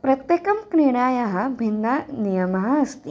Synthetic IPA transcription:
pɾɐt̪jɐkɐmkneːɽ̃aːjɐɦɐbʱinːɐnijɐmɐɦɐɐst̪i

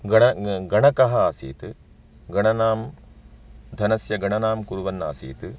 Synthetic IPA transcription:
ɡɐɳɐɡɐɳɐkɐɦɐaːsḭːt̪ɨ | ɡɐɳɐnaːm | d̪ʱɐnɐsjɐɡɐɳɐnaːmkuɾuʋɐnːa̰ːsḭːt̪ɨ

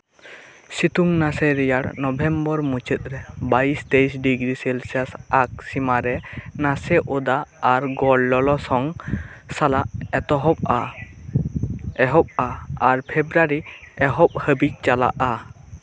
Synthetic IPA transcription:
sit̪uŋnasɛɾɛjaɽnɔbʱɛmbɔɾmut͡ʃət̪̚ɾɛbaist̪eisɖiɡɾiselsasak̚simaɾɛnasɛʔod̪aːɾɡɔɽːɔlɔsɔŋsalaʔɛt̪ɔɦɔp̚a | ɛɦɔp̚aːɾpʰebɾaɾiɛɦɔp̚həbic̚t͡ʃala̰ʔa

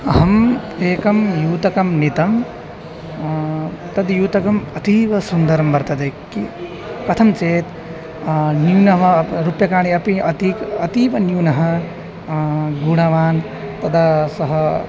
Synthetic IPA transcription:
ɦʌmeːkɐmjuːt̪ɐkɐmnit̪ɐm | t̪ɐd̪ijuːt̪ɐkɐmɐt̪ibɐsund̪ɐɾɐmbɐɾt̪ɐd̪ɐki | pɐt̪ʰɐmt͡seːt̪ | njunɐɦmɐɾupjɐkaːɽ̃iɐpĩʔɐt̪ikɐt̪iːbʌnjunɐɦɐ | ɡuɽ̃aʋaːn | t̪ɐd̪asʌɦʌ

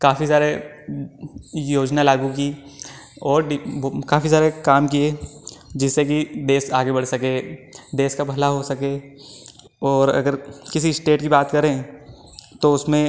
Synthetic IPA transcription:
kaːfisaːɾe | joːd͡ʒnalaːɡũk̬i | ɔːɾɖkaːfisaːɾekaːmkied͡ʒɪsːekid̪eːsaːɡebɐɽsɐked̪eːskabʱɐlaɦosɐke | ɔːɾɐ̰ɡəɾkɪsisʈeːʈkibaːt̪kɐɾẽ | t̪oʊsmẽ

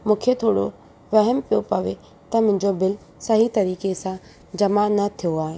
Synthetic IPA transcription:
mũːkʰet̪ʰoːɽo | ʋɐɦɛmpijopɐʋe | t̪ɐmʊ̃ɦɪ̃ɲd͡ʑobɪl | sɐɦit̪ɐɾiːkesã | d͡ʑɐmanɐt̪ʰijoaːɦeː

